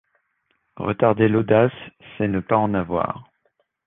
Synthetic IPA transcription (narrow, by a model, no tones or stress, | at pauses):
ʁə̰t̪aʁd̪elod̪asːɛnəpaɑ̃navwa̰ːʁ